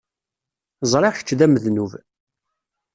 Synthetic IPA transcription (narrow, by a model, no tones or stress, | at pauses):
zˤɾˤeçə̥t͡ʃːðæməðnuv